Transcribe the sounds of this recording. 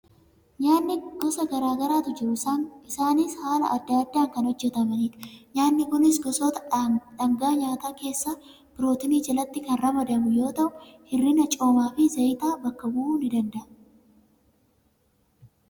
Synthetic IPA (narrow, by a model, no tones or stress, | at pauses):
ɲaːnːɪɡ̥ɔsɐɡɐɾaːɡɐɾaːt̪ʊd͡ʒɪɾʊsanɪsaːnɪshaːlɐ̰ʔɐd̪ːaːd̪ːaːŋkɐnhɔd͡ʒːɛt̪ɐmɐniːt̪ɲaːnːɪkʊnɪsɡɔsoːt̪ɐᶑɐŋɡaːɲaːt̪aːke̞ːsːaː | b̥ɪɾo̞ːt̪ɪniːd͡ʒɐlɐt̪ːɪkɐnrɐmɐd̪ɐmʊjo̞ːt̪ɐʔʊhɪrːinɐt͡ʃʼo̞ːmaːfɪzɐjt̪aːbɐkːɐbuuːnɪd̪ɐnd̪ɐʔɐ